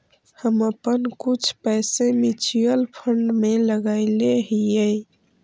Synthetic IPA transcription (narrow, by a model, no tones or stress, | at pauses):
həməpənkut͡ʃʰpɛːsẽmit͡ʃʰijəlpʰəɳɖmeləɡaɪleɦijəj